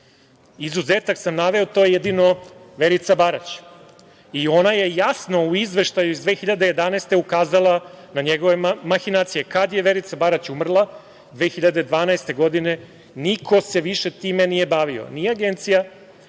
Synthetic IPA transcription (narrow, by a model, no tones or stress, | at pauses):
izuzeːt̪aksamnaʋe̞ot̪o̞jejed̪ino̞ʋe̞ɾit̪sabaɾat͡ɕ | io̞naje̞jasno̞uizʋe̞ʃt̪ajuizd̪ʋeːxiʎad̪e̞je̞d̪anɛeːst̪e̞ukaːzalˠanaɲeɡo̞ʋe̞maxinaːt̪sijekad̪je̞ʋe̞ɾit̪sabaɾat͡ɕumr̩lˠa | d̪ʋeːxiʎad̪e̞d̪ʋaːnaest̪e̞ɡo̞d̪ine̞ | nikʰo̞se̞ʋiʃe̞t̪iːmenije̞baʋio̰nieaɡe̞nt̪sija